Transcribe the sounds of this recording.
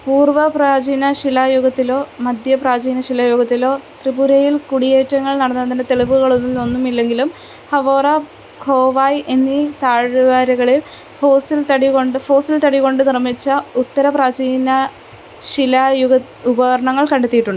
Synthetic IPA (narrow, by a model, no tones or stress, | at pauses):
puːrʋɐpraːd͡ʑiːnɐɕilaːjuɡɐt̪ːilo̞ːmɐd̪ʱjɐpraːd͡ʑiːnɐɕilajuɡɐt̪ːilo̞ːt̪ribuɾɐjilkuɽijeːtːɐŋːɐɭnɐɽɐnːɐðindet̪e̞ɭiʋuɣɐɭo̞nːilo̞nːumilːe̞ŋɡilum | hɐʋoːrɐ | kʰo̞ːʋaːjʔenːit̪aːɻɨʋaːɾɐɣɐɭil | fo̞ːsilt̪ɐɽiko̞ɳɖɨfo̞ːsilt̪ɐɽiko̞ɳɖɨnirmit͡ɕːɐut̪ːɐɾɐpraːd͡ʑiːnɐ | ɕilɐjuɣɐ | ubɐɣɐɾɐɳɐŋːɐɭkɐɳɖɐt̪ːijiʈːuɳɖɨ